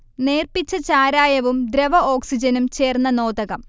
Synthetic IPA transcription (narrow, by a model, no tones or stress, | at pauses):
ne̞ːrpit͡ɕːɐt͡ɕaːɾaːjɐʋumd̪ɾeʋɐo̞ːksid͡ʑɐnumt͡ɕe̞ːrnːɐno̞ːd̪ɐɣɐm